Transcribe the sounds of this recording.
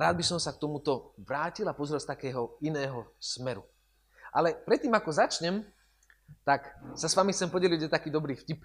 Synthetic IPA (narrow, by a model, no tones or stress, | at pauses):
ɾaːd̪̚bisɔmsak̚t̪ɔmut̪ɔʋɾaːcilapɔzɾɛlst̪akɛːɦɔinɛːɦɔsmɛɾu | ʔa̰lɛpɾɛt̪ːiːmakɔzat͡ʃɲɛm | t̪aksasʋamixt̪t͡sɛmpɔɟɛliɛt̪akiːd̪ɔbɾiːfcip